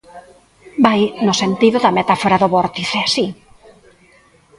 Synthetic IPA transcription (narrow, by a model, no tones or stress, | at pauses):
bajnʊsent̪iðʊðɐmet̪afoɾaðoβɔɾt̪iseasi